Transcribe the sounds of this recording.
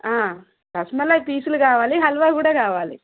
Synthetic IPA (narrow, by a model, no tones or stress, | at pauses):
aː | kɐsmɐlɐjpiːsulukaːʋaːliɦɐlʋaːkuːɽaːkaːʋaːlḭ